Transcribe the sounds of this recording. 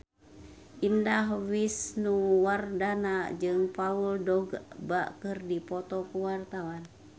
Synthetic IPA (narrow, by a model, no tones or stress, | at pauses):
ʔindaɦwisnuwardanad͡ʒɨŋpauldɔɡbakɨrdipɔt̪ɔkuwart̪awan